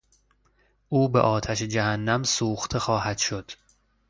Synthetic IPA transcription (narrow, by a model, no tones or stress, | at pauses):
ʔuːbeʔɒːt̪ʰæʃed͡ʒæhænːæmsuːxt̪ʰe̞xɒːhæd̪̥ʃo̞d̪̥